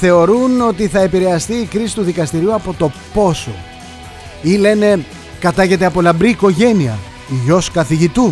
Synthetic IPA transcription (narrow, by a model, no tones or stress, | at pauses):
θe̞oɾuno̞t̪iθɐe̞piɾe̞ɐst̪iːkɾisi̥t̪uðikɐst̪iɾiuɐpo̞t̪o̞po̞so̞ | ile̞ne̞ | kɐt̪ɐʝe̞t̪e̞ɐpo̞lɐmbɾiːko̞ʝe̞niɐ̰ | iʝo̞skɐθiʝit̪u